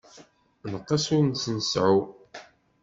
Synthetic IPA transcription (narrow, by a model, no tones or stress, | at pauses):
nəqːɑsʊɾnsnəsʕu